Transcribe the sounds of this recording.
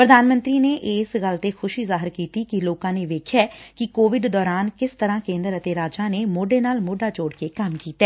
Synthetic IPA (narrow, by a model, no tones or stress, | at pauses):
pɾəd̪ʱaːnmə̃nt̪ɾiːneːʔɪːsɡəlt̪eːxʰʊʃiːzaːɦɪɾkiːt̪iːkɪloːkãːneːʋeːkʰjaːkɪkoːʋɪɖd̪ɔːɾaːnkɪst̪əɾãːkẽːnd̪əɾət̪eːɾaːd͡ʒaːneːmoːɖeːnaːlmoːɖaːd͡ʒoːɽkekəmkiːt̪ɛː